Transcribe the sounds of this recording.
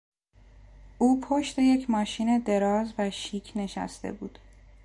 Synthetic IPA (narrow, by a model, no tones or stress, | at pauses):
ʔuːpʰoʃt̪e̞je̞cʰmɒːʃiːne̞d̪e̞ɾɒːzvæʃiːkʰne̞ʃæ̰st̪e̞̰buːd̪̥